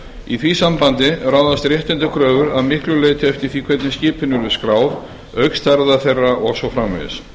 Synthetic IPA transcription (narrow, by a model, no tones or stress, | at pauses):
iθvisampant̪ɪɾaːwðast̪ɾjɛht̪ɪnt̪ʏkʰɾœːvʏɾaðmɪhklʏleːjt̪ɪɛft̪ɪɾ̥θikʰv̥ɛt̪nɪscɪːpʰɪnːʏɾvɪðskɾaːwð | œɥkst̪ʰɛɾðaθejrːaʔɔɣsɔwfɾaːmḛðɪ̰s